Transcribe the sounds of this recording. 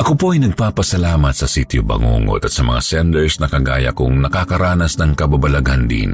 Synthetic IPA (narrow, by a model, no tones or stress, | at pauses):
ʔɐkopoɐjnɐɡ̚paːpɐsɐlaːmɐt̪̚sɐsit̪jobɐ̰ŋo̰ːŋo̰t̪ɐt̪sɐmɐ̰ŋa̰sɛnd̪ɛɹsnɐkɐɡa̰ːjɐ̰kʊ̰ŋnɐkakɐɾaːnɐsnɐŋkɐbabɐlɐɡand̪ḭn